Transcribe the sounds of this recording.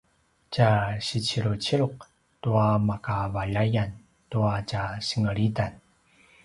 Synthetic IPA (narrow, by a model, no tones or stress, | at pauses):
t͡ɕaɕit͡ɕiɾut͡ɕiɭuq̚ | tuamakavaʎajan | tuat͡ɕaɕəŋəɭidan